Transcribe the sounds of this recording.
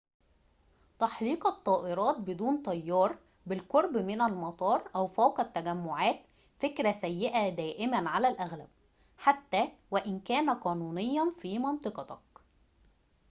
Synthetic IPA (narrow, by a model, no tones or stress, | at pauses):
t̪ɑħliːqɑt̪ˤːɑːʔɪɾˤɑːt̪̚bɪd̪uːnt̪ˤɑjːɑːɾˤ | bɪlqoɾˤbmɪnælmɑt̪ˤɑːɾˤʔæwfæwqæt̪ːæɡæmːʊʕaːt̪ | fekɾæsæjːeʔæd̪æːʔɪmænʕalælʔæɣlæ̰b̚ | ħat̪ːæːwæʔɪnkæːnæqɑːnuːnɪjːɑnfiːmɑnt̪ˤɨqɑt̪ɑk̚